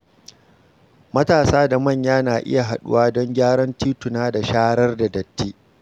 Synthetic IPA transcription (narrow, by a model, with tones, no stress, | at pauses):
mɐ˦taː˨saː˦da˨mɐ˦˨ɲjaː˦naː˨ʔɪ̰˦ja˨ɦa˨ɗʊ̰˦waː˦dɔ˦ŋɡʲaː˦ɽɔ˦ntiː˦tʊ˨naː˦da˨ʃaː˦hɽɐ˦rda˨dɐ˨tːiː˦